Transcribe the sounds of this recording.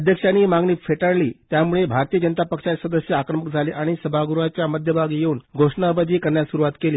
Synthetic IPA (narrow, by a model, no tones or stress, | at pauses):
əd̪ʱjəkʂaniːmaɡniːfʰeʈaɽliːt̪jamuɭebʱaɾt̪ijəd͡ʑənət̪apəkʂasəd̪əsjəakɾəməkd͡zʱaliʔaɽ̃isəbʱaɡuɾuat͡ɕjaməd̪ʱjəbʱaɡjeuːnɡʱoʂɳabəd̪ʱiːkəɾɳjasuɾuʋat̪keliː